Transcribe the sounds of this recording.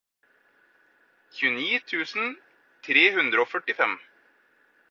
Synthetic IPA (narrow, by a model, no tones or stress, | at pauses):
çʉːniːt̪ʰʉːsn̩ | t̪ʰɾeːhʉnd̪ɾəoːfœʈɪfɛm